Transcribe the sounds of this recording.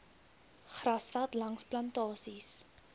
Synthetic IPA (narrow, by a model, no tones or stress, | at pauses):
χrɐsfɐtlɐŋsplɐntɑːsis